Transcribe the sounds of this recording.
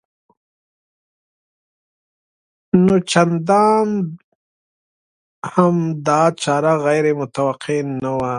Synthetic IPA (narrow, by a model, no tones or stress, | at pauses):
not͡ʃand̪ɑːn | hamd̪ɑːt͡ʃɑːɾaɣajɾemʊt̪awaqʰenawa